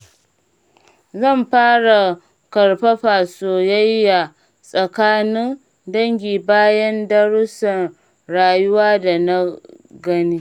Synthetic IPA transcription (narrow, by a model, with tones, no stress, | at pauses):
zɐ˦˨mɸaː˦ɽa˨ | kɐ˨ɽɸa˦ɸaː˨soː˨ja˦jːa˨ | sʼɐ˨kaː˦nɪ˦ŋ | dɐ˦ŋɡʲiː˨baː˦jɐ˦ndɐ˦ɽʊ˦sɐ˨n | ɽaː˨jʊ˦waː˦da˨na˦ | ɡɐ˦niː˦